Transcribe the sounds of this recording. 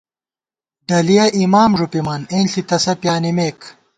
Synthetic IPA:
ɖɐlijɐʔimaːmʐupimɐneːnɬit̪ɐsɐpjaːnimeːk

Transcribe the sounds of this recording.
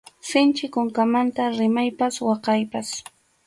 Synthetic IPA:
sɪnt͡ʃɪkoŋkamant̪aɾɪmajpaswɑqɑjpas

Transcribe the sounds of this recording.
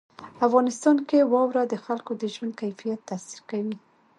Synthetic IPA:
afɣɑnɪst̪ɑnkewɑwɾad̪əxalkod̪əʒwand̪̚kajfijat̪ːasi̥ɾkawi

